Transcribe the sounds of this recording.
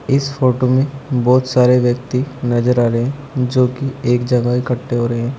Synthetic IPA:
ɪsfʰoːʈomẽbɔːt̪saːɾeʋjɐk̚t̪inɐd͡ʒəɾaːɾɐeɦɛ̃d͡ʒoːkieːkd͡ʒɐɡaikɐʈːeɦoːɾɐɦeɦɛ̃ː

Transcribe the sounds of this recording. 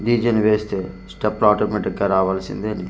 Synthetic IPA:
ɾiːd͡ʒɐnʋeːst̪eː | sʈɐpːaːʈomeʈikːaːɾaːʋaːlsḭnd̪eni

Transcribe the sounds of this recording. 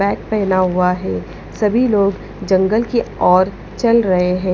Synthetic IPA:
ɛːk̚pɛːnaɦuaɦɛː | sɐbʱiloːɡ | d͡ʒɐ̃ŋɡəlkiɔːɾ | t͡ʃɐlɾɐɦeɦɛ̃ː

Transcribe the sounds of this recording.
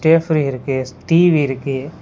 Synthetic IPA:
ʈeːfɾiɦiɾkeːsʈiːʋiɾke

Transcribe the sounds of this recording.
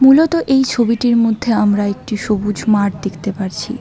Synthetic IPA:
mulot̪oʔejt͡ɕʰobiʈiɾmod̪ʱːeamɾaek̚ʈiʃobud͡ʑʱmaʈd̪ekʰt̪epaɾt͡ɕʰḭ

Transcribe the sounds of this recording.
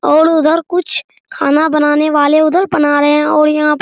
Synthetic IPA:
oːɽʊd̪əɾkʊt͡ʃʰ | kʰaːnãːbənaːneːʋaːleʊd̪əɾpənaːɾəeɛ̃ːoːɽjəɦãːp

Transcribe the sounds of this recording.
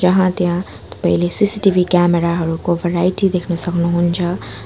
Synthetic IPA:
d͡ʒəɦãt̪jã | t̪ɔ̥pəɦilesisiʈiʋʱikɛmeɾaɦəɾukoʋeɾaːiʈid̪ekʰnəsəknuɦũnt͡ʃʰə

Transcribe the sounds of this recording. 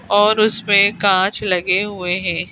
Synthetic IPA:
ɔːɾʊsmẽkãːt͡ʃlɐɡeɦueɦɛ̃ː

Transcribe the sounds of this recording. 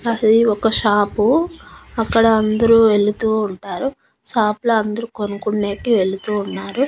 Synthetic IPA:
ɐiɔkɐʃaːpu | ɐkːɐɽɐɐnd̪ɐɾuʋe̞ɭut̪uːɳʈaːɾu | ʃaːploɐnd̪ɐɾukonukuɳːeːkiʋe̞ɭut̪uːnːaːɾu

